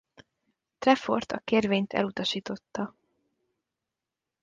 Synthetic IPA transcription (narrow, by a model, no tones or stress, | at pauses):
t̪rɛfo̞̰rt̪ɒkeːrveːɲt̪ʰɛ̰lut̪ɒʃiːt̪o̞t̪ːɒ